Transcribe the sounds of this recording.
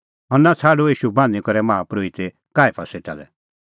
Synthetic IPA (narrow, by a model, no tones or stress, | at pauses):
ɦɔɾnat͡sʰaːɖoiːʃubãːnd̪ikɔɾɛmaapɾoit̪e | kaːepʰaseʈa̰lɛ̰